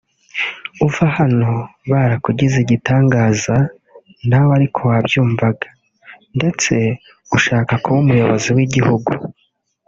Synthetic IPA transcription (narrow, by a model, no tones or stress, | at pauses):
uvahano̞βaɾakuɟiziɟitaːŋɡaːza | nawaɾikʰo̞wabjuːɱvaɡa | nde̞t͡se̞ | uʃaːkakuβumujo̞βo̞ziwiɟihuɡu